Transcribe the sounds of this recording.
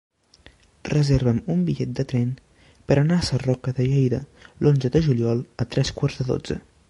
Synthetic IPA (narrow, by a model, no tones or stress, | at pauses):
rəzeɾβəmumbiʎɛt̪̚d̪ət̪ɾɛn | pəɾənaəsərɔkəðəʎɛjðəlʔonzəðəʒuliɔlˠət̪ɾʔɛskwaɾzðəðo̰d͡zə̰